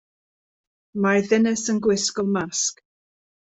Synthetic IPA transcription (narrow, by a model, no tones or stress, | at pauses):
maðɪnəsənɡwɪskɔlˠmask